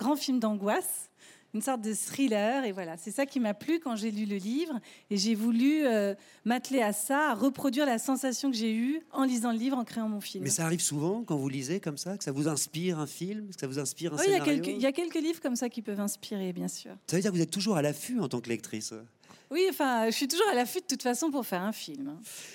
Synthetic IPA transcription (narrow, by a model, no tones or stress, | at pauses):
ɡ̥ʁɑ̃filmd̪ɑ̃ɡwas | ynsɔʁt̪̚d̪əsχilœʁevwalasɛsakʲimaplykɑ̃ʒelyləlivʁeʒevulyø | mat̪leasaːʁəpχɔd̪ɥiʁlasɑ̃sasjɔ̃kəʒeyɑ̃lizɑ̃ləlivʁɑ̃kχeɑ̃mɔ̃filmɛsaːʁivsuvɑ̃kɑ̃vulizekɔmsakə̥savuzɛ̃spiʁɛ̃filmɛskə̥savuzɛ̃spiʁɛ̃siljaakɛliljakʲɛlkəlivʁəkɔmsakʲipœvɛ̃spiʁebjɛ̃sy̰ːʁsavəd̪iʁkvuzɛt̪ːuʒuʁalafyɑ̃t̪ɑ̃klɛk̚t̪χis | wiɑ̃fɛ̃ʒəsit̪uʒuʁalafyd̪ət̪ut̪fasɔ̃p̬uʁfɛʁɛ̃filmɛ̃